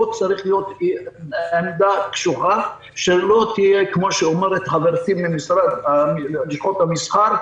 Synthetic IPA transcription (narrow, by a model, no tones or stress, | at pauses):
ot͡saʁiχlijo̞t̪ | emd̪akʃuʁa | ʃelo̞t̪ijekmoʃeomeʁet̪χaveʁtimːimisʁa | iχot̪hamisχaɾ